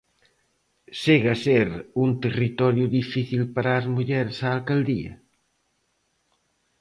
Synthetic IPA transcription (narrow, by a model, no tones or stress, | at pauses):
seɣaseɾunt̪erit̪ɔɾjʊðifiθilpaɾaːzmuʎɛɾsaːlkald̪iɐ̰